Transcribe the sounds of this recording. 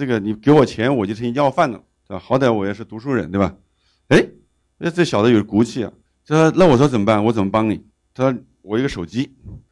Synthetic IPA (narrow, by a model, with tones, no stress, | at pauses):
ɤ˥˩ɡə˩ni˨˩ke˧˥ɪwɔ˨˩t͡ɕʰjɛ˧˥nwɔ˨˩t͡ɕjo˥˩ʈ͡ʂʰŋi˧˥jɑ˥˧ʊfa˥˩nlə̰˨˩t̪e˥˩ba˧˩xɑ˧˥ʊt̪i˩˥wɔ˧˥jɛ˧˩ʂ̬ɻ̩˥˩t̪u˧˥ʂu˥˩ɻə˧˥nt̪we˥˩ba˨˩ | e˥ɪ | ɔ˧˥˧ʈ͡ʂɤ˥˩ɕjɑ˨˩d̪ə˦jɔ˨˩ʂku˧˥t͡ɕʰi˥˩ɐ̰˨˩ | t͡ɕna˥˩wɔ˨˩ʂwɔ˥t͡sə˨˩mə˦˥a˥˩nwɔ˧˥t͡sə˨˩nmə˦˥pɑ˥ŋni˨˩˦ | t̪ʰa˥ | wɔ˨˩i˧˥ɡə˧ʂo˨˩ʊt͡ɕi˥